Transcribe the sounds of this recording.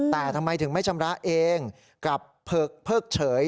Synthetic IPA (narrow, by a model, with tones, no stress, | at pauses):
t̪ɛː˨˩t̪ʰa˧mːa˧jt̪ʰɯ˩˦ŋma˥˩jt͡ɕʰa˧mɾa˦˥ʔeː˧ŋ | ka˨˩pʰːɤː˥˩k̚pʰːɤː˥˩k̚t͡ɕʰɤː˩˦j